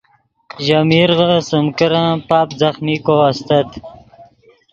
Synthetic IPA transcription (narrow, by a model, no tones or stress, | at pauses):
ʒamiɾʁəsʊmkəɾãpaːpzaχmikoast̪at̪